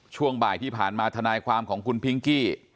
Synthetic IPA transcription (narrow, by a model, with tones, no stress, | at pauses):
t͡ɕʰu˥˩əŋbaː˨˩jt̪ʰiː˥˩pʰaː˨˩nmaː˧t̪ʰa˧naː˧jkʰwaː˧mkʰɔː˩˦ŋkʰu˧npʰi˦˧˥ŋkiː˥˩